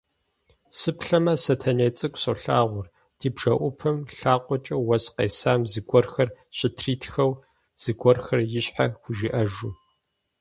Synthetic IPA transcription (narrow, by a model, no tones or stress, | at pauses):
sɨpɬɐmɐsɐtʰɐneːt͡sʼɨkʷʼsɐɬaːʁʷʊr | d̥iːbʒ̥ɐʔʷʊpʰɐmɬaːqʷʼɔt͡ʃʼɐwɐsqeːsaːmziɡʷɔrxɐr | ɕʼɪtʰriːtʰxɐw | z̥iɡʷɔrxɐrjɪɕħa̰xʷʊʒɪʔɐʒuː